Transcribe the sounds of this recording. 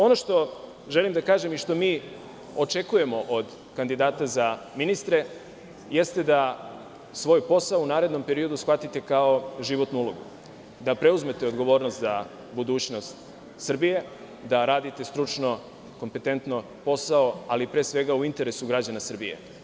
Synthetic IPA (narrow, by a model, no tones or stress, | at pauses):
o̞no̞ʃt̪o̞ | ʒe̞limd̪akaːʒe̞miʃt̪o̞miː | o̞t͡ʃe̞kuje̞mo̞ʔod̪ | kand̪id̪aːt̪aza | minist̪ɾe̞ | je̞st̪e̞d̪a | sʋo̞ːjpo̞saounaːɾe̞d̪no̞mpe̞ɾio̞d̪usʋat̪it̪e̞kao̞ʒiʋo̞t̪nuulˠo̞ɡṵ | d̪apɾe̞uzme̞t̪e̞o̞d̪ɡo̞ʋo̞ːɾnost̪za | bud̪uːt͡ɕno̞st̪ | sr̩bije̞ | d̪aɾaːd̪it̪e̞st̪ɾut͡ʃno̞ | ko̞mpe̞t̪e̞nt̪no | po̞sao̞alipɾeːsʋe̞ɡauint̪e̞ɾe̞suɡɾad͡ʑanasr̩bḭjḛ